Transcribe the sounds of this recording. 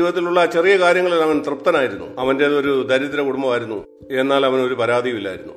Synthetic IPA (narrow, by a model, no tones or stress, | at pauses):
ʋɐt̪̬ːiluɭːɐt͡ɕe̞rijɐkaːɾjɐŋːɐɭilɐʋɐnt̪rɨpt̪ːɐnaːjiɾunːṵɐʋɐnde̞o̞ɾud̪ʱɐɾɐt̪ːiɾɐkuɽumbɐʋaːjiɾunːu | e̞nːaːlɐʋɐno̞ɾupɐɾaːd̪ʱijumilːɐaːjiɾunːu